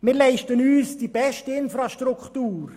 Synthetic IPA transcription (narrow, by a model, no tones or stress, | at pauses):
mɪːɾlɛɪʃtənyːsd̥ibɛʃtəɪnfɾɑʃtɾukχtuːɾ